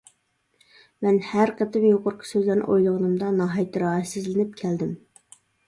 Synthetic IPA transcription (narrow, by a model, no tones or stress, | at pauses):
mɛnhæɾqʰət̪ɪmjoqʊɾqʰə̥søzlæɾnɪ̰ʔojlˠʊʁənɨmd̪ɑnɑɦɑjt̪ːɪɾɑsɪzlɪnɪp̚kʲʰæld̪ɪm